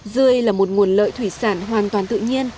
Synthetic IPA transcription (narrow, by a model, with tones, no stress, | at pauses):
zɨ˧əjlaː˨˩mo˨˩t̚ŋu˨˩ənlə̰ː˧˨jt̪ʰwi˧˩saː˧˩nɦwaː˨˩nt̪waː˨˩nt̪ɨ̰˧˨ɲi˧ən